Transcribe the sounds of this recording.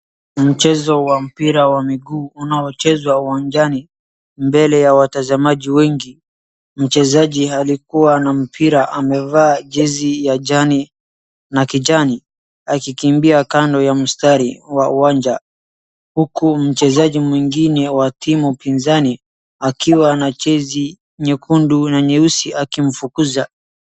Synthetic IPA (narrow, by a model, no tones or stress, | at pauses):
m̩t͡ʃɛzɔwam̩piɾawamiɡuːunaɔt͡ʃɛzwauwaɲd͡ʒani | mbɛlɛjawatazamaʄiwɛŋɡi | m̩t͡ʃɛzaʄihalikuwanam̩pʰiɾaʔamɛvaːʄɛzijaʄani | nakiʄani | akikimbiakandɔjam̩staɾiwauwaɲd͡ʒa | hukum̩t͡ʃɛzaʄimwiŋɡinɛwatʰimupinzani | akiwanat͡ʃɛzi | ɲɛkʰundunaɲɛusiʔakim̩fukuza